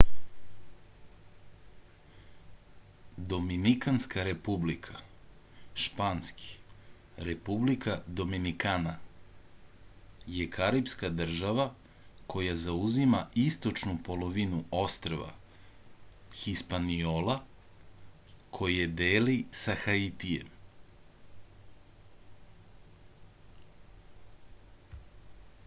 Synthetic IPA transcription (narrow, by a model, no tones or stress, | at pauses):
d̪o̞minikanskaɾe̞publikʰa | ʃpaːnski̥ | ɾe̞publikʰad̪o̞minikaːna | jekʰaɾipskad̪r̩ʒaʋa | kʰo̞jazauzimaist̪o̞t͡ʃnupo̞lo̞ʋinuo̞st̪ɾoʋa̰ | xispanioːla | kʰo̞jed̪eːlisaxait̪iḛm